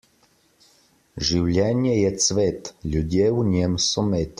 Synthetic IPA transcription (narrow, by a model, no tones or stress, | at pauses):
ʒiwlʲɛnjɛjɛsvɛt̪lʲud̪ʲjɛuɲʲɛmsɔmɛt̪